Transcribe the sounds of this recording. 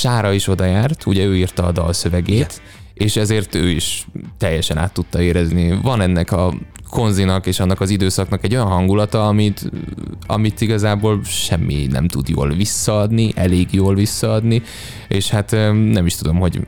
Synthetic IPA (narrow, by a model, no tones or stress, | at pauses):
ʃaːɾɒiʃo̞d̪ɒjaːrt̪ʰuɟɛøːirt̪ɒːd̪ɒ̰lsø̞vɛɡeːt̪ | eːʃɛzeːrt̪ø̰ːiʃt̪ɛjːɛʃɛna̰ːt̪ːut̪ːɒeːɾɛznivɒnɛnːɛkɒkʰo̞nzinɒkeːʃɒnːɒkɒzid̪øːsɒknɒkɛɟːo̞jɒnɦɒŋɡulɒt̪ɒɒmit̪ɒ̰mit̪iɡɒzaːboːlʃɛmːḭnɛ̰mt̪ud̪jo̰ːlvisːɒɒd̪niʔɛleːɡjoːlvisːɒɒd̪ni | eːʃhat̪nɛmiʃt̪ud̪o̞mɦo̞ɟ